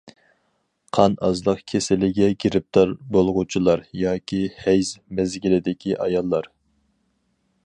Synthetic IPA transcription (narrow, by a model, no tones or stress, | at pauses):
qʰɑnɑzlˠəqkʲʰesɪlɪɡʲɛɡʲiɾɪp̚t̪ʰɑɾbolˠʁut͡ʃʰilˠɑɾjɑːkʲʰihɛjzmɛzɡʲilɪd̪ɪkʲʰiʔɑjɑlˠːɑɾ